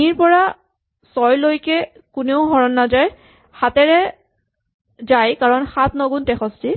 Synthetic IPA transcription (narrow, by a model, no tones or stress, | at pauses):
iɹpɔɹa | sɔjlojkɛ | kuneʊɦɔɹɔnːazaj | xatɛɹɛ | zajkaɹɔnxatnɔɡuntɛxɔsti